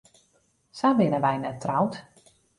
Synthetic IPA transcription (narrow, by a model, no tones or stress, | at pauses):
sabɪnəʋɛjnɛtːrawt